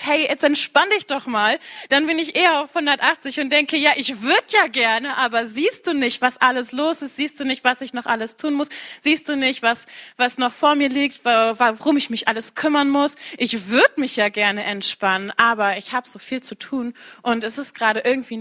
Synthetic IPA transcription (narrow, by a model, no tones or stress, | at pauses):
hɛɪjɛt͡stɛntʃpandɪçd̥ɔχmaːld̥anbɪnɪçʔeːɐaʊfhʊndɐtʔaχt͡sɪçʊnt̚d̥ɛŋkəjaːʔɪçv̥ʏɐdəjaːɡɛɐnəʔaːbɐziːst̚d̥uːnɪçtv̥asʔaləsloːsɪstz̥iːst̚d̥uːnɪçtv̥asɪçnɔχʔaləstʰuːnmʊsz̥iːst̚d̥uːnɪçtv̥asvasnɔχfoːɐmiːɐliːk̚tvavaʁʊmɪçmɪçʔaləskʰʏmɐnmʊsʔɪçv̥ʏɐdəmɪçjaːɡɛɐnəʔɛntʃpanənʔaːbɐɪçhaːbəz̥oːfiːlt͡sutʰuːnʔʊntɛsɪstɡ̥ʁaːɾəʔɪɐɡŋ̩tv̥iː